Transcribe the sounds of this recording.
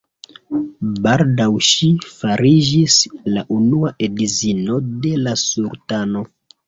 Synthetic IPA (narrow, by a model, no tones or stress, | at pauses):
baldawʃifaɾid͡ʒislaʔunuaʔedizino̞de̞lasuɾtano̞